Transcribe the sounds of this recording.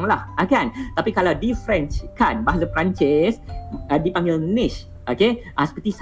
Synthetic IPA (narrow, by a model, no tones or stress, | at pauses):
ŋlahʔakant̪apikalawdifɾɛnt͡ʃkanbaɦasapɾant͡ʃɪsdipaŋɡɪlnɪs | ʔokeʔasə̥pət̪is